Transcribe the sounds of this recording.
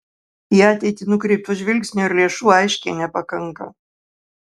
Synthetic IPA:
jæɐt̪ʲɛːt̪ʲɪnʊkɾʲipʲʊʒʲʋʲɪlʲkʲsʲnʲʊɪɾlʲeɛʃuːɐɪʃʲkʲɛnʲɛpɐkɐŋkɐ̰

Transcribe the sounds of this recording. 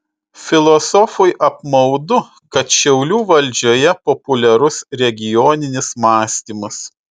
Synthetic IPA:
fʲɪlˠɔsɔfʊjʔɐpmɐʊd̪ʊ | kɐt̪ʃʲɛʊlʲuːʋɐlʲd͡ʒʲoːjɛpɔpʊlʲɛɾʊsɾʲɛɡʲɪjoːnʲɪnʲɪsmɑːsʲt̪ʲiːmɐs

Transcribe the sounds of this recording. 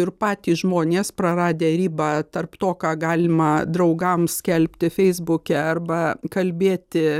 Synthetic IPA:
ɪrpɑːt̪ʲiːsʒmoːnʲeːspɾɐɾɑːd̪ʲeːɾʲiːbɑːt̪ɐrpt̪oːkɑːɡɑːlʲɪmɐd̪ɾɐʊɡɐmsʲkʲɛlʲpʲt̪ʲɪfʲɛɪzbʊkʲɛɐrbɐkɐlʲbʲeːt̪ʲɪ

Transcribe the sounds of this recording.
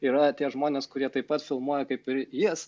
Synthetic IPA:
iːɾɐt̪ʲiɛʒmoːnʲeːskʊɾʲiɛt̪ɐɪpːɐt̪fʲɪlˠmuɔjɛkɐɪpɪɾjiɛs

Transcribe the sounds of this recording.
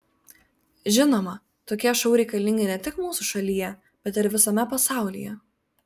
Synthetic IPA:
ʒʲɪnoːmɐ | t̪oːkʲiɛʃɔʊɾʲɛɪkɐlʲɪŋʲɡʲɪnʲɛt̪ʲɪkmuːsuʃɐlʲijɛ | b̥ʲɛt̪ɪɾʋʲɪsɐmʲɛpɐsɑˑʊlʲḭjɛ

